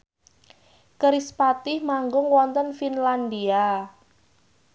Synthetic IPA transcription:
kəɾispat̪ɪhmaŋɡʊŋwɔnt̪ənfinlandia

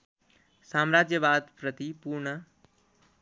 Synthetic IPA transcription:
saːmɾaːd͡ʒjəbaːd̪pɾət̪ipuːɾɳə

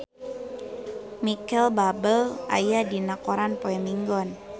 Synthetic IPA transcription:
mikɛlbabəlʔa̰jadinakoɾanpoɛmiŋɡɔn

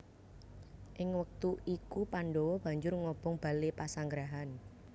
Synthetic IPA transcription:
ʔɪŋwək̚t̪uʔikupaɳɖowɔb̥ä̤ɲd͡ʒʊrŋɔb̥ɔŋb̥a̤lepasaŋɡɾaɦan

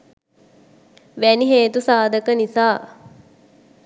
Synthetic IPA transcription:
ʋæniɦeːt̪usaːd̪əkənisaː

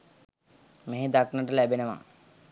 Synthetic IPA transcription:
meɦed̪aknəʈəlæbenəʋa̰

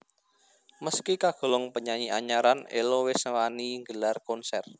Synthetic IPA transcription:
məskikaɡ̥o̤lɔŋpəɲaɲiaɲaɾanḛlowɪsəwaniŋɡəlarkɔnsɛr

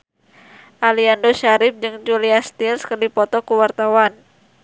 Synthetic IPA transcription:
ʔaliandoʃaɾɪp̚d͡ʒɨŋd͡ʒuliast̪ilskərdipɔt̪ɔkuwart̪awan

